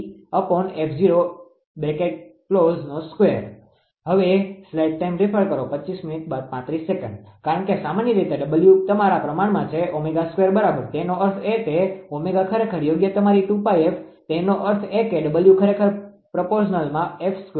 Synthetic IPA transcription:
əpɔnepʰziɾo | bekeʈ̚kloznoskʋeɾ | ɦəʋeslaʈ̚ʈajmɾipʰəɾkəɾopətːt͡ʃisminɪt̪̚bad̪̚pãt̪ɾisːekə̃ɳɖkaɾəɳkesamanjəɾit̪eɖəbəljut̪əmaɾapɾəmaɽmãt͡ʃʰeʔomeɡaskwʋeɾbəɾabəɾt̪enoʔəɾt̪ʰet̪eomeɡakʰəɾekʰəɾjoɡjət̪əmaɾiʈũpaiefʰt̪enoʔəɾt̪ʰekeɖəbəljukʰəɾekʰəɾ | pɾəpoɾʃnəlmãefʰsk

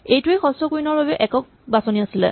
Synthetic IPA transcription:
ejtʊexɔstɔkuɹinɔɹbabɛʔɛkɔk̚basɔniasilɛ̰

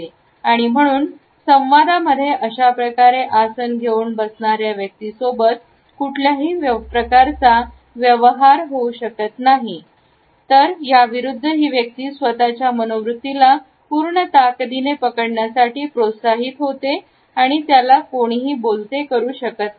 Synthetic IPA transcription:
e | aɽ̃im̤əɽ̃uːn | sə̃w̃ʋad̪aməd̪ʱːjeʔəɕapɾəkaɾeʔasənɡʱeunbəsɳaɾjaʋjək̚t̪iːsobət̪̚ | kuʈʰljaɦiːʋəpɾəkaɾt͡sa | ʋjəʋɦaɾɦouɕəkət̪naɦi | t̪əɾjaʋiɾud̪ʱːəɦiːʋjək̚t̪iːsʋət̪at͡ɕjamənoʋɾut̪ːila | puɾɳət̪akd̪inepəkəɽɳjasaʈiːpɾot̪saɦit̪ɦot̪e | aɽ̃it̪jalakoɽ̃iɦiːbolt̪ekəɾuːɕəkət̪

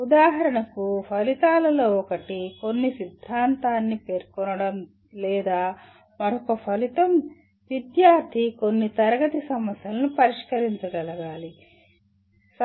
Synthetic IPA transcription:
ud̪aːɦɐɾɐɳɐkupʰɐlit̪aːlɐloːɔkɐʈikonːisid̪ʱːaːnt̪aːnːipe̞ːɾkɔnɐɽɐm | lɛːd̪aː | mɐɾɐkupʰɐlit̪ɐm | ʋid̪jaːɾt̪ʰikonːit̪ɐɾɐɡɐt̪isɐmɐsjɐlɐnupɐɾiʂkɐɾiɲt͡ʃɐɡɐlɐɡaːli

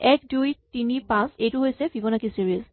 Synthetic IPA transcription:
ɛkdujtinipãsejtuɦojsɛbʰʱibɔnakisiɹiz

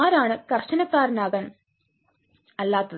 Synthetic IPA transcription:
aːɾaːɳɨkɐrʂɐnɐkːaːɾɐnaːɣaːn | ɐlːaːt̪ːɐð

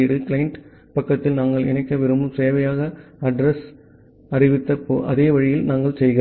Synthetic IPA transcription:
ɪɽɯkɪlɐjɪɳʈ | pɐkːɐt̪ːɪlnaːŋɡɐɭɪnɐɪkːɐʋɪɾɯmbɯmseːʋɐjaːɣɐɐɖɾɐs | ɐrɪʋɪt̪ːɐɾpoːʔɐðeːʋɐɻɪjɪlnaːŋɡɐɭsɛjɣɐ

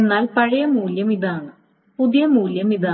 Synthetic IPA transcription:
nːaːlpɐɻijɐmuːljɐmiðaːɳɨ | puðijɐmuːljɐmiðaː

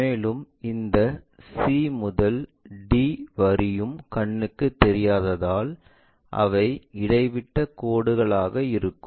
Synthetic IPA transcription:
eːlɯm | ɪnd̪ɐ | siːmʊðɐlɖiːʋɐɾɪjɯmkɐɳːɯkːɯt̪ːɛɾɪjaːðɐðaːl | ʔɐ̰ʋɐɪɪɽɐɪʋɪʈːɐkoːɽɯɣɐɭaːɣɐɪɾɯkːɯ

